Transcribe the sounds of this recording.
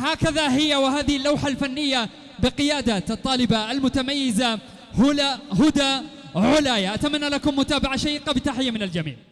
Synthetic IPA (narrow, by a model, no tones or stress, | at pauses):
haːkaðaɦɪjːawɪɦaːðɪhɪlːawħalfanːɪjːa | bɪqɪjaːd̪aːt̪ʔɑt̪ˤːɑːlɪbaʔalmʊt̪amajːɪza | hʊahʊd̪a | ʕʊlaːjaʔat̪amanːalakʊmːʊt̪aːbaʕaʃajiːqɑbɪt̪aħɪjːamɪnald͡ʒamḭːʕ